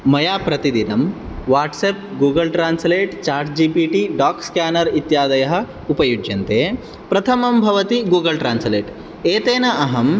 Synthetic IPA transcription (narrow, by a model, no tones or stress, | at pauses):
mɐjaːpɾɐt̪id̪inɐm | ʋaːʈseːp̚ɡuːɡɐlʈɾaːnsleːʈt͡ʃaːɾd͡ʒd͡ʒiːpiːʈiɖaːkskaːnɐɾit̪jaːd̪ɐjɐɦɐ̆ | upɐjud͡ʒjɐnt̪eː | pɾɐt̪ʰɐmɐmbʱɐʋɐt̪iɡuːɡɐlʈɾaːnsleːʈ | eːt̪eːnɐʔɐɦɐm